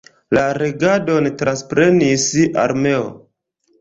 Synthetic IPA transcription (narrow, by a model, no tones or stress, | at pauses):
laɾeɡado̞ntɾanspɾe̞nisa̰ɾme̞o̰